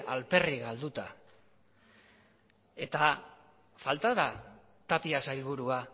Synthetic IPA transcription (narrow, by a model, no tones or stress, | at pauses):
alpe̞riɣald̪ut̪a | e̞t̪a | falt̪aða | t̪apiasajlβuɾua